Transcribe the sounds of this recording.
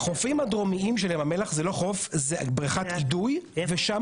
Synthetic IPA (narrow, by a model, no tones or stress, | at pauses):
χofimhad̪ʁo̞miimʃelemamelaχzelo̞χo̞fzebʁaχat̪ɡid̪ujveʃa